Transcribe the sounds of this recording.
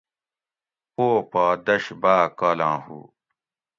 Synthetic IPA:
poːpaːd̪ɐɕbaːkaːlãːhṵː

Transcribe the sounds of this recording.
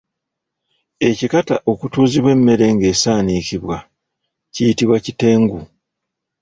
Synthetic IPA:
e̞cikataʔo̞kutuːziβwe̞mːe̞ɾe̞ŋɡe̞ːsaːnikiβwa | cijitiβwacite̞ːŋɡu

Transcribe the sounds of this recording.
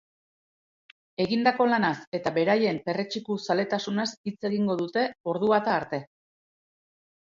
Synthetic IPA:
e̞ɣind̪ako̞lanase̞t̪aβe̞ɾaje̞mpe̞ret͡ʃikusale̞t̪asunasit͡se̞ɣiŋɡo̞ðut̪e̞o̞ɾðuβat̪aːɾt̪e̞

